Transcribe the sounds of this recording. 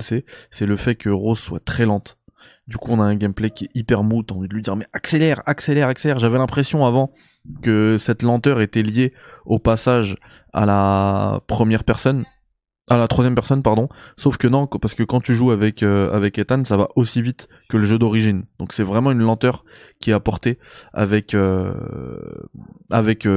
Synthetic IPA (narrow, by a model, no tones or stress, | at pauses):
lsɛsɛləfɛkəʁozswat̪χɛlɑ̃t̪ | d̪ykuɔ̃naɛ̃ɡʲɛmplɛkʲiɛipɛʁmut̪aɑ̃vid̪əlɥid̪iʁmɛʔakselɛʁakselɛʁakselɛʁʒavɛlɛ̃pχesjɔ̃avɑ̃ | kəsɛt̪lɑ̃t̪œʁet̪ɛljeopasaʒ | a̰lapχəmjɛʁpɛʁsɔn | ʔalat̪χwazjɛmpɛʁsɔnpaʁd̪ɔ̃sofkənɔ̃paʁsə̥kəkɑ̃t̪yʒuavɛkøa̰vɛket̪ansava̰ʔosivit̪ | kələʒød̪ɔʁiʒind̪̥ɔ̃ksɛvʁɛmɑ̃ynlɑ̃t̪œʁkʲiɛapɔʁt̪ea̰vɛkʰø | a̰vɛkø